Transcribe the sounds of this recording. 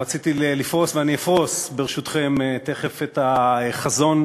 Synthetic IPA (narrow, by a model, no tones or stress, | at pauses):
at͡sit̪ielifʁo̞sveaniafʁo̞sbeʁeʃut̪χe̞met̪e̞χefet̪aχazo̞n